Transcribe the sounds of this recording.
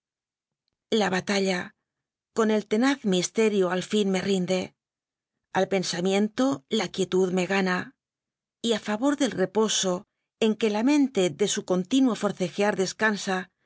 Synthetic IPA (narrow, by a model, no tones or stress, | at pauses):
laβat̪aʎa | ko̞ne̞lt̪e̞naθmist̪e̞ɾjoalfinme̞rind̪e̞ | alpe̞nsamjẽ̞nt̪o̞lakje̞t̪uðme̞ɣana | iafaβo̞ɾðe̞lre̞po̞so̞ | e̞ŋke̞lamẽ̞nt̪e̞ðe̞suko̞nt̪inwofo̞ɾθe̞xjaɾðe̞skansa